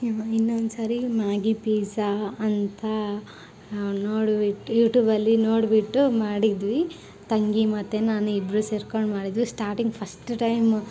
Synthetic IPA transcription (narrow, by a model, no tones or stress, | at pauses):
ainːond̪usaːɾimaːɡipiːsaːnt̪ʰɐ | noːɽbiʈːujuːʈjuːbɐlːinoːɽbiʈːumaːɽid̪ʋi | t̪ɐŋɡimɐt̪ːenaːnuibɾuseːɾkoɳɖmaːɽid̪ʋisʈaːɾʈiŋɡpʰɐsʈʈɐjm